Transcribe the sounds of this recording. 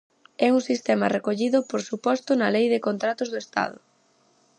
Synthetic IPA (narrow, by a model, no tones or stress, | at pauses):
ɛuŋsist̪ɛmɐrekoʎiðʊpoɾsupɔst̪ʊnɐlejðɪkont̪ɾat̪ʊzðʊest̪a̰ð̞ʊ